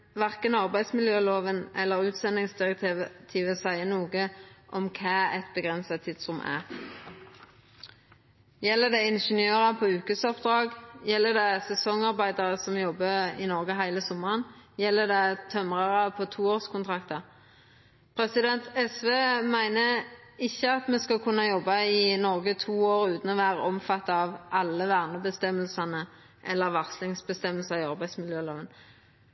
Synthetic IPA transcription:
ʋæʁkənɑʁbæɪd̪smɪljøːloːʋənʔɛ̰lːəʁʉːt̪sɛnɪŋsd̪ɪʁɛk̚t̪ʰiːʋət̪ʰiːʋəsæɪənuːɡəʔɔmkʰæːɛ̰t̪bəɡʁɛnsɑt̪ʰːɪd̪sʁʊmʔæ̰ʁ | jɛlːəd̪ɛɪnʃənjøːʁɑpʰoːʉːkəsɔpd̪ʁɑːɡjɛlːəd̪ɛsɛsɔŋɑʁbæɪd̪ɑʁəsɔmjɔbːəḭːnɔʁɡəɦæɪləsɔmːəʁənjɛlːəd̪ɛt̪ʰœmʁɑʁəpʰɔt̪ʰuːoːʁskʰʊnt̪ʰʁɑkt̪ɑ | pʰɾɛsɪd̪ɛnt̪ʰɛsʋeːmæɪnəɪçːəɑt̪mɛskɑkʰʉnːɑjɔbːɑɪnɔʁɡət̪ʰuːoːʁʉːt̪n̩ɔʋæːʁəɔmfɑt̪ːɑɑʋʔɑlːəʋæːʁnəbəst̪ɛmːəlsɑnə | ʔɛlːəʁʋɑʁslɪŋsbəst̪ɛməlsɑɪɑʁbæɪsmɪljøːloːʋən

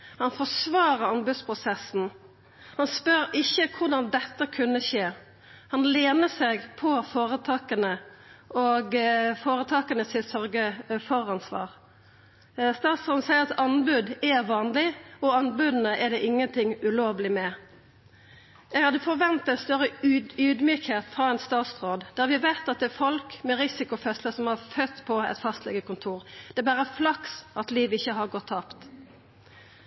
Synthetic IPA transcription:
hɑnfɔsʋɑːɾəʁɑnbʉd̪spʰʁʊsɛsn̩ | hɑnspœɾɪçːəkʰʊd̪ɑnd̪ɛt̪ːəkʰʉnːəʃeː | hɑnleːnəsɛɡpʰɔfoːɾət̪ʰɑːkənəʔɔɡfoːɾət̪ʰɑːkənəsɪsœɾɡəfɔɾɑnsʋɑ̰ːʁ | st̪ɑːt̪sɑnsæɪəʁɑt̪ɑnbʉd̪ɛʋɑːnlɪɔɑnbʉd̪n̩əʔɛd̪ɛʔɪŋːənt̪ʰɪŋʉloːʋlɪmɛ | ɛɡhɑd̪əfɔʁʋɛnt̪ɛt̪st̪œʁəyːd̪myːkheːt̪fʁɑːɛnst̪ɑːt̪sʁoːd̪d̪̥æːɾʋɪʋeːt̪ɑt̪̚d̪ɛːfɔlkmɛʁɪsɪkʊfœsləsɔmhɑʁfœt̪ːpʰɔɛ̰t̪fɑst̪lɛ̰ɡəkʊnt̪ʰuːʁd̪̥ɛɛbæːʁəflɑksɑt̪liːʋɪçːəɦɑʁɡɔt̪ʰːɑːpt̪

